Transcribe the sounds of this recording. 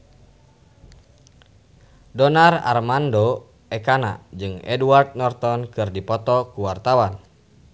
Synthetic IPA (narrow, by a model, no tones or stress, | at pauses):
dɔnara̰rmando | ɛkana̰d͡ʒɨŋɛ̰duart̪̚nɔrt̪ɔnkɨrdipɔt̪ɔkuwart̪awan